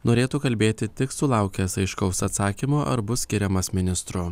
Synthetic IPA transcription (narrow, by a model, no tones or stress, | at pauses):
noːɾʲeːt̪uːkɐlʲbʲeːt̪ʲɪt̪ʲɪksʊlˠɑˑʊkʲɛsɐɪʃkɒʊsɐt̪sɑːkʲimoːʔɐ̰ɾbʊssʲkʲɪɾʲɛmɐsmʲɪnʲɪst̪ɾʊ